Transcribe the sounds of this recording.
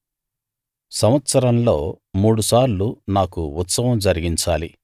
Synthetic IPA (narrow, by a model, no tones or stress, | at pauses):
sɐmɐt̪sɐɾɐnlo̞ː | muːɽusaːɾlunaːkuut̪sɐʋɐmd͡ʒɐɾiɡiɲt͡ʃaːlḭ